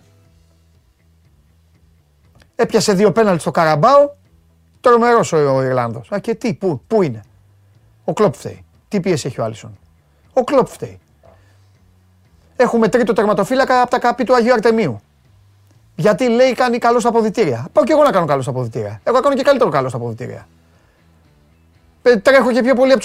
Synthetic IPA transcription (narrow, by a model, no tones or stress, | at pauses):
e̞pçɐse̞ðio̞pe̞nɐlt̪ist̪o̞kɐɾɐbɐo | t̪ɾo̞me̞ɾo̞sooiɾlɐnðo̞sɐɾcet̪ipupuine̞ | o̞klo̞pft̪ḛj | t̪ipie̞sieçioɐ̰liso̞̰n | o̞klo̞pft̪ḛj | e̞xume̞t̪ɾit̪ot̪eɾmɐt̪o̞filɐkɐpot̪ɐkapit̪uɐʝiuɐɾt̪e̞miu | ʝɐt̪ile̞ijkɐnikɐlo̞st̪ɐpo̞ðit̪iɾiɐpɐoce̞ɣo̞nɐkɐno̞kalost̪ɐpoðit̪iɾiɐe̞ɣoɐkano̞ce̞kalit̪eɾokalost̪ɐpoðit̪ḭɾḭɐ̰ | pet̪ɾe̞xo̞ce̞pço̞po̞liɐpot̪